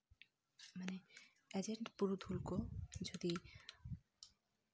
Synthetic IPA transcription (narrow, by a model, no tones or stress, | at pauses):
mane | ed͡ʑeɳʈpuɾud̪ʱulkod͡ʑod̪i